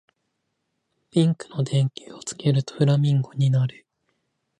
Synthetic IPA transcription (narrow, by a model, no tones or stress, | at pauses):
pʲĩŋkɯ̟̥no̞d̪ẽ̞ŋkʲi̥ːot͡sɨ̥ke̞ɾɯ̟t̪o̥ɯ̟ɾamʲĩŋɡo̞ɲ̟inaɾɯ̟